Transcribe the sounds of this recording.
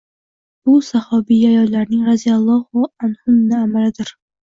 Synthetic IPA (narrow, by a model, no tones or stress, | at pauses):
b̥ʊsahɒbijajɒllaɾnɪŋɾazijalˠːɒhʊanhʊmnɪamalɪd̪ɪɾ